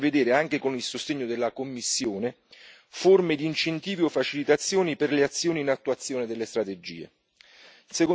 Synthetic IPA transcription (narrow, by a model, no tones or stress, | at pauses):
ved̪eːɾeaŋk̟ekonilsost̪eɲːod̪elːakomːisːjoːne | formed̪iːnt͡ʃent̪iːviɔfːat͡ʃilit̪at̪sːjoːniperleat̪sːjoːniːnat̪ːuat̪sːjoːned̪elːest̪ɾat̪ed͡ʒḭːḛ | seko